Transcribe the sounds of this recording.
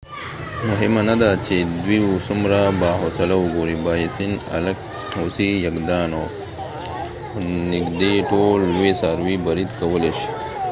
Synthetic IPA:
mʊɦimanad̪at͡ʃed̪wiwusumɾabaːɦosalawʊɡoɾibajisina̰lk | hosijakd̪aːno | nɪkd̪eʈolwesaːɾwibɐɾid̪kawəleʃi̥

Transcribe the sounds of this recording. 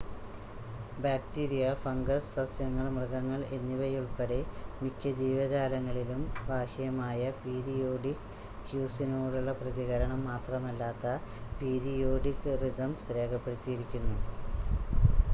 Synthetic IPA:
baːktiːɾijɐfɐŋɡɐsɐsjɐŋːɐɭmrɨɣɐŋːɐɭe̞nːiʋɐjuɭpeɽemikʲːɐd͡ʑiːʋɐðaːlɐŋːɐɭilumbʱaːhjɐmaːjɐpiːɾijo̞ːɖik | kːjuːsinoːɽuɭːɐprɐðiɣɐɾɐɳɐmːaːt̪rɐmɐlːaːt̪ːɐpiːɾijo̞ːɖikːɨrid̪ɐmsɾeːkɐpːe̞ɽit̪ːijiɾikʲːunːu

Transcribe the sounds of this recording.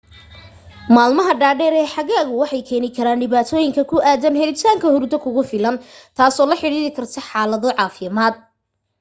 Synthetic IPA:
maːlmɐɦɐɖaːɖɛːɾɛːħɑɣaːɣʊwɑħɑjkʰɛːnɪkʰɐɾaːnɖɪβaːt̪ʰɔːjɪŋkʰɐkʰʊaːd̪ɐnhɛɾɪt̪ʰaːŋkʰɐhʊrd̪ɔkʰʊɣʊfɪlɐnt̪ʰaːsɔːlɐħɪɽiːɾɪkʰɐrt̪ʰɐħɑːlɐðɔʕɑːfɪmaːd̪̚

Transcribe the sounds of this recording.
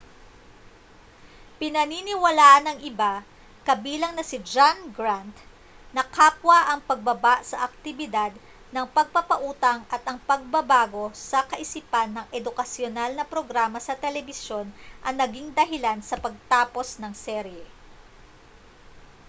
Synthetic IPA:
pɪnɐninɪwɐlaːʔɐnɐŋʔɪba | kɐbiːlɐŋnɐsɪd͡ʒanɡɾant̪ | nɐkaːpwɐʔɐŋpɐɡ̚bɐbaʔsɐʔɐk̚t̪ɪbɪd̪ad̪̚ | nɐŋpɐɡ̚pɐpɐʔuːt̪ɐŋʔɐt̪ɐŋpɐɡ̚bɐbaːɡo̞sɐkɐʔɪsipanːɐŋʔɛd̪ʊkɐsjonalnɐpɾoɡɾaːmɐsɐt̪ɛlɛbɪsjo̞nʔɐŋnɐɡiŋd̪ɐɦɪlansɐpɐɡ̚t̪aːpo̞snɐŋsɛɾjɛ

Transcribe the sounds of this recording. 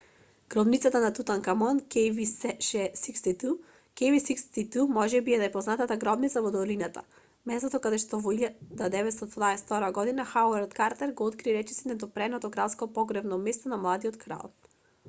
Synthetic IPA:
ɡ̥ɾɔbnit̪sat̪anat̪ut̪aŋkamɔnkɛviʃɛsikst̪it̪u | kɛvisist̪it̪umɔʒɛbiɛnajpɔznat̪at̪aɡɾɔbnit̪savɔd̪ɔlinat̪a̰ | mɛst̪ɔt̪ɔkad̪ɛʃt̪ɔvɔiʎad̪ad̪ɛvɛt̪st̪ɔaɛst̪ɔɾaɡɔd̪inaxawɛɾd̪kaɾt̪ɛɾɡɔɔt̪kɾiɾɛt͡ʃɛsinɛd̪ɔpɾɛnɔt̪ɔɡɾat̪skɔpɔɡɾɛbnɔmɛst̪ɔnamlˠad̪iɔt̪kʰɾa̰lˠ

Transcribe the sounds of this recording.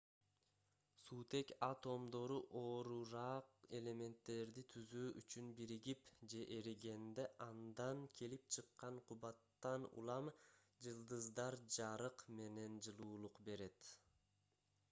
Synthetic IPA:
suːt̪e̞kɑt̪o̞md̪o̞ɾuʔoːɾuɾɑːqe̞le̞me̞nt̪ːe̞ɾd̪it̪ʰyzyːʔyt͡ʃynbiɾiɡipd͡ʒe̞ʔeɾiɡe̞nd̪eʔɑnd̪ɑŋkʰe̞lip̚t͡ʃʰɯqːɑɴqʰuβɑt̪ːɑnṵlˠɑm | d͡ʒɯlˠd̪ɯzd̪ɑɾd͡ʒɑɾɯqme̞ne̞nd͡ʒɯlˠuːlˠuqbe̞ɾe̞t̪

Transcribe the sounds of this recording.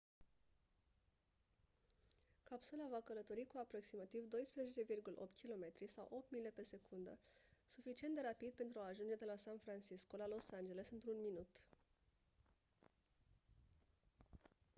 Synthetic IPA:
kapsulavakələt̪o̞ɾikuapɾo̞ksimat̪ivd̪o̞jspɾezet͡ʃe̞virɡulə̰ʔo̞pt̪ʲkʲilo̞me̞t̪ɾisawʔo̞p̚t̪mile̞pe̞se̞kund̪ə̰sufit͡ʃiend̪e̞ɾapid̪̚pe̞nt̪ɾuaːʒund͡ʒe̞d̪e̞lasanfɾant͡ʃisko̞lalo̞sand͡ʒe̞le̞sɨnt̪ɾunminut̪

